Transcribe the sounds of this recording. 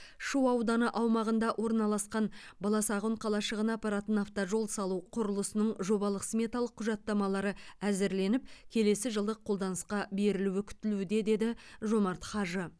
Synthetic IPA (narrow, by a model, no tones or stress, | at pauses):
ʃuwɑwd̪ɑnəʔɑwmɑʁənd̪ɑʔwʔo̞ɾnɑlˠɑsqɑnbɑlˠɑsɑʁoɴqʰɑlˠɑʃəʁənɑpɑɾɑt̪ənɑft̪ɑʒo̞lˠsɑlˠuqʰʊɾəlˠəsənəɴʒo̞bɑlˠəqsmʲe̞t̪alˠəqʰːʊʒɑt̪ːɑmɑlˠɑɾəæzɪɾle̞nɪp̚kʲʰe̞le̞sɪʒəlˠd̪əqʰːo̞lˠd̪ɑnəsqɑbe̞ɾɪluwɪkʲʰʏ̥t̪ɪlud̪e̞d̪e̞d̪ɪʒo̞mɑɾt̪χɑʒə